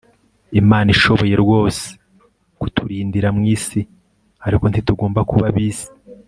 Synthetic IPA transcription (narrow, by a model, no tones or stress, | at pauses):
imaːniʃo̞βo̞je̞ɾɡwo̞ːse̥ | ku̥tʰuɾiːndiɾamŋiːsi | aɾiko̞ntituɡo̞ːmbakuβaβiːsi̥